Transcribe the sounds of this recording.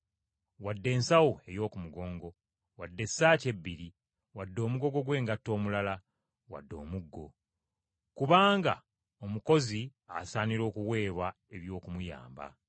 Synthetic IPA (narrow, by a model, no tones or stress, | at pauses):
wadːe̞ːnsawue̞jo̞ːkumuɡo̞ːŋɡo̞ | wadːe̞sːaːce̞bːiɾi | wadːo̞ːmuɡo̞ɡo̞ɡwe̞ːŋɡatːo̞ːmulala | wa̰dːo̞̰ːmuɡːo̞̰ | kuβaːŋɡa | omuko̞ziasaːniɾo̞ːkuwe̞ːβa | e̞βjo̞ːkumuja̰ːmba̰